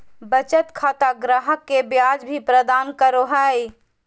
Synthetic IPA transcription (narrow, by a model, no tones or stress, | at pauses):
bət͡ʃət̪kʰat̪aɡɾaɦəkːebjad͡ʒbʱipɾəd̪ankəɾoɦəj